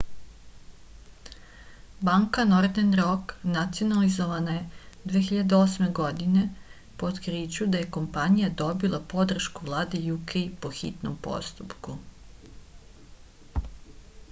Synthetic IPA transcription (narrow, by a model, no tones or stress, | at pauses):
baŋkano̞ɾd̪enɾoknat̪sijonalizoʋanaje̞d̪ʋexiʎad̪eo̞sme̞ɡo̞d̪ine̞ | po̞d̪kɾit͡ɕud̪aje̞ko̞mpaɲijad̪o̞bilˠapo̞d̪r̩ʃkuʋlˠaːd̪ejukejpoxḭt̪no̰mpo̞̰st̪upku